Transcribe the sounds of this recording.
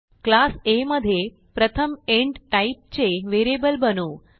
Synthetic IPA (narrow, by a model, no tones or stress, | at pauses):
klaseməd̪ʱje | pɾət̪ʰəmeɳɖʈaip̚t͡ɕeʋeɾebəlbənuː